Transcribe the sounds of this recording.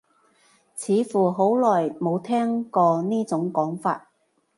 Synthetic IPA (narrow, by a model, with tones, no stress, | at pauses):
t͡sʰiː˨˧˥fuː˨˩ɦo˨˥wlɔː˨jmo˨˧wt̪ʰɛː˥ŋkɔː˧niː˥t͡sʊ˨˥ŋkɔː˨˥ŋfa̰ː˧t̚